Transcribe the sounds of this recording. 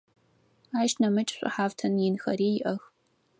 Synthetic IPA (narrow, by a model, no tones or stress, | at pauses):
aːʃnɐmɨt͡ʃʼɕʷʼɨ̰ħaːvtʰɐnjɪnxɐɾiːjɪʔɐx